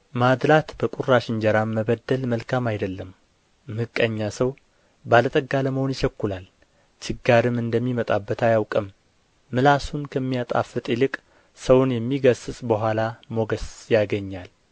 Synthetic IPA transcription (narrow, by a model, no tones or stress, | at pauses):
mad̪lat̪bəkʼurːaʃɪnd͡ʒɛɾammːəβəd̪ːəlməlkʰamajd̪əlːəmː | hɨkʼːəɲːasəw | balət̪ʼəɡːaləməho̞njɪʃəkːulal | t͡ʃʰɪɡːaɾɨmɨnd̪əmːimət̪ʼabːət̪ʰajawkʼəmː | ɨlasunkʰəmːijat̪ʼa̰fːɨt̪ʼilɨkʼ | səwnjɛmːiɡəsɨsʼbəɦʷalamo̞ɡəsjaɡəɲːal